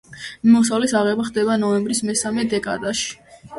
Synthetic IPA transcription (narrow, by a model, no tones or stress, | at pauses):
mɔsavlisaʁɛbaχd̪ɛbanɔɛmbɾismɛsamɛd̪ɛkʼa̰d̪aʃi̥